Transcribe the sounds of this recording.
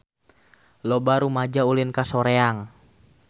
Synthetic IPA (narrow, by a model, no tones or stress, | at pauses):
lɔbaɾumad͡ʒaulɪnkasɔɾeaŋ